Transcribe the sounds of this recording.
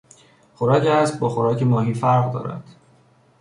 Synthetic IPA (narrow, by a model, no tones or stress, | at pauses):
χoɾɒːceæst̚bɒːxoɾɒːcʰemɒːɦiːfæɾʁd̪ɒ̰ːɾæ̰nd̪̥